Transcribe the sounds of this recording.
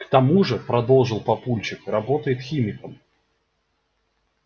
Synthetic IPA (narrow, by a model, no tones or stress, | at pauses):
kt̪ɐmuʐɨpɾɐd̪o̞lˠʐɨlˠpɐpulʲt͡ɕɪkɾɐbot̪əjɪt̪xʲimʲɪkəm